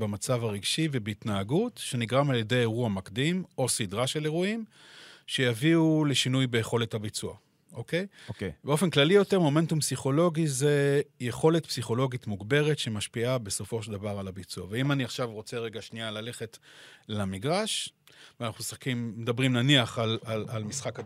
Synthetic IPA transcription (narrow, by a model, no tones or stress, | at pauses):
bamat͡savaʁiɡʃivebeit̪naːɡutʃe̞niɡʁamalje̞de̞jeʁuamakd̪imo̞sidʁaʃe̞leʁuim | ʃejaviule̞ʃinujbejeχo̞lethabit͡sua̰ | ʔoke̞jbeo̞fenklalijo̞te̞ʁmo̞me̞ntumpsiχo̞lo̞ɡize̞jeχo̞le̞tpsiχo̞lo̞ɡitmuɡbe̞ʁetʃe̞maʃpiabe̞so̞fo̞ʃeld̪avaʁalabit͡suaveimaniaχʃavʁo̞t͡seʁeɡaʃnialale̞χe̞tlamiɡʁaʃvanaχnusakimːedabʁimnaniaχalalalmisχak